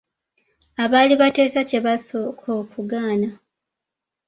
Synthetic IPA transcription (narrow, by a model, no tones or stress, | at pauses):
aβaːliβate̞ːsace̞βasokʰoːkuɡaːna